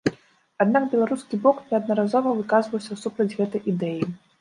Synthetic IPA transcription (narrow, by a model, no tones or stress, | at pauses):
ad̪naɡbʲɛlˠaɾuskʲibɔknʲɛɐd̪̚nɐɾazɔvɐvɨkazvɐwsʲɐsupɾɐd͡zʲɣɛt̪ɐjʔid̪ɛji